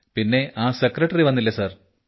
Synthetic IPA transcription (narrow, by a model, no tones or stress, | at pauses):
pinːe̞aːsekrɐʈːɐriʋɐnːilːɐsɐr